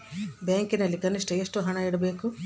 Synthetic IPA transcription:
baːŋkinɐlːikɐnːiʂʈɐeʂʈuɦɐɳɐiɽɐbe̞ːku

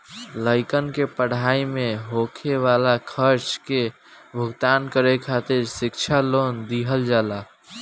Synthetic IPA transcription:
ləɪkənkepəɽ̤aimeɦokʰeʋalakʰəɾt͡ʃke | bʱəɡt̪ankəɾekʰat̪iɾsɪkt͡ʃʰalond̪iɦəld͡ʒaːla

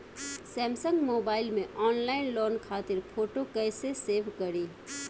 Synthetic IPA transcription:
sɛ̃ːmsə̃ŋɡmoːbaːɪlmẽʔɔːnlaːɪnloːnkʰaːt̪ɪɾpʰoːʈokɛːseseːʋkɐɾiː

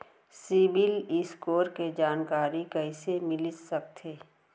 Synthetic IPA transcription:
sibɪlɪskoːɾked͡ʒaːnkaːɾikəɪsemɪlɪsək̚t̪ʰeː

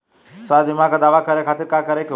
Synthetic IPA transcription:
sʋaːd̪ʋimãkad̪aːʋakəɾekʰaːt̪iɾkakəɾek

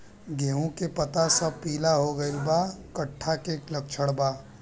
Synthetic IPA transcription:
ɡeːɦũkepɐt̪asɐb̚piːlaɦoɡɐɪlbakɐʈʰːakeklɐk̚t͡ʃʰəɽbaː

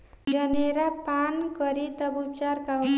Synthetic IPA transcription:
d͡ʒʌneɾapankʌɾit̪ʌbup̚t͡ʃaɾkaɦ

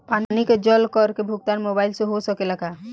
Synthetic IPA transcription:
panniked͡ʒɔlkɔɾkebʱuɡ̚t̪anmobaɪlsẽɦosɔkelaɡa

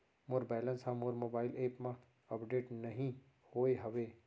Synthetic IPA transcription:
mʊɾbɛːlə̃nsɦãmʊɾmoːbaːɪleːpmã | ɐpɖeːʈnɐɦĩ | hoːeɦɐʋeː

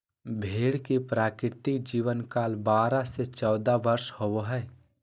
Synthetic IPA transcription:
bʱeːɽkepɾaːkɪɾt̪ɪkd͡ʒiːʋənkaːlbaːɾaset͡ʃɔːd̪aʋəɾʃhowoɦɛː

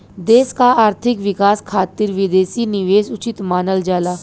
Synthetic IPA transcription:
d̪eːskaaːɾt̪ʰɪkʋɪkaːskʰaːt̪ɪɾʋɪd̪eːsinɪʋeːsʊt͡ʃɪt̪maːnəld͡ʒaːlaː

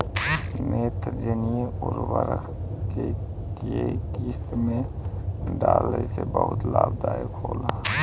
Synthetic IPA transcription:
meːt̪ɾd͡ʒənijeʊɾbəɾə̰kʰke | t̪iet̪iːst̪mẽ | ɖaːlesebəɦʊt̪laːb̚d̪aːekʰoːla

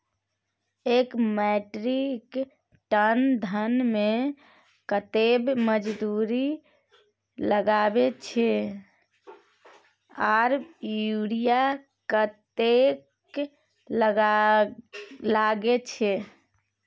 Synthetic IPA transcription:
ekmɛʈɾik | ʈənd̪ʱənme | kət̪ebməd͡ʒd̪uɾi | ləɡabet͡ʃʰɛ | aɾjjuɽija | kət̪ek | ləɡ | laɡet͡ʃʰɛ

